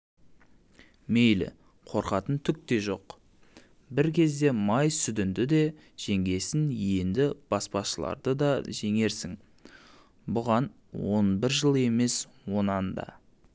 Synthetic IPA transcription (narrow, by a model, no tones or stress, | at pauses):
me̞jlɪ̰ | qʰo̞ɾqɑt̪ənt̪ʰʏk̚t̪e̞ʒo̞̰q | bɪɾkʲʰe̞zd̪e̞mɑjsʏd̪ɪnd̪ɪd̪e̞ | ʒ̥e̞ŋɡʲe̞sɪnje̞nd̪ɪb̥ɑspɑʃəlˠɑ̰ɾd̪əd̪ɑʒe̞ŋe̞ɾsɪŋ | bʊʁɑn | wo̞̰nbɪɾʒəlˠe̞me̞s | wo̞nɑnd̪ɑ̰